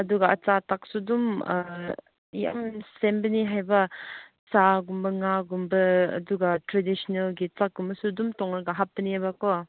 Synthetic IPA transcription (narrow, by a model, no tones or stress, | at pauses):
ɐduɡaɐt͡satak̚sudum | ja̰msembəniɦajba | t͡saɡumbɐŋaɡumbɐ̰ːduɡatɾedisɔnelɡit͡sak̚ɡumbɐsudumtɔŋaɡaɦap̚bəniabakɔ